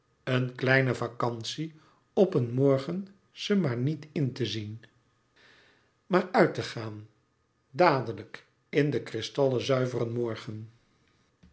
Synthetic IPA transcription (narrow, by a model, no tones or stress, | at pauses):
ənklɛjnəvakɑnsi | ɔpənmɔɹχən | z̥əmaːɹnitɪntəzin | maːɹœɥtəχaːn | daːdələk | ɪndəkrɪstɑlˠəzœɥvərənmɔɹχən